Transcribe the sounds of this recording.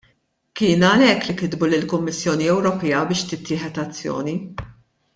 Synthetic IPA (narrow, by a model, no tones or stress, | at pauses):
kɪːnɐlɛkːlikɪd̪bulɪlkʊmːɪsːjɔːniɛwɾɔpɛjɐbɪːʃt̪ɪt̪ʰːɪːħɛt̪ɐt͡sːjɔ̰ːni